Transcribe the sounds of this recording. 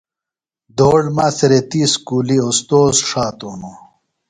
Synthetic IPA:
d̪oːɖmaːseɾet̪iːskuːliost̪oːzʂaːt̪oːno

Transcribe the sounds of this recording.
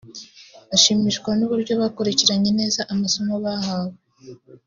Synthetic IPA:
βaʃiːmiʃkwanuβuɾɟo̞βaːkoɾeciɾaɲe̞ne̞ːzaʔamasomoβahaːβe

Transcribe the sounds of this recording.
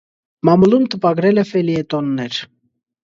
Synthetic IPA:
mɑmulumt̪əpɑɡɾɛlɛfɛliɛt̪ɔnːɛɾ

